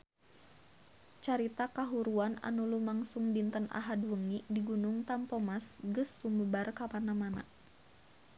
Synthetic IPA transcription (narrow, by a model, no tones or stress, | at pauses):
t͡ʃaɾit̪akaɦuɾuana̰nulumaŋsuŋdint̪ənʔa̰ɦadwəŋidiɡunʊŋt̪ampɔmasɡəsːumbəbarkapanamana̰ʔ